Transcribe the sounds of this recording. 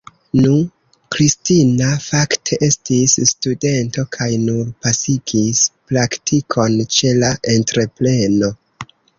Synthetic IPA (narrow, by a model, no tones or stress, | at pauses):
nu | kɾistinafaktʰe̞ʔe̞stisːtude̞nto̞kʰajnuɾpasiɡispɾaktʰikʰo̞nt͡ʃe̞laʔe̞ntɾe̞ple̞no̞